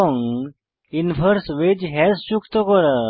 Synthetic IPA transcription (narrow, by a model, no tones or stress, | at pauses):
ɔŋ | infʰəɾsʋed͡ʑɦɛsɕukʰt̪ɔkɔɾə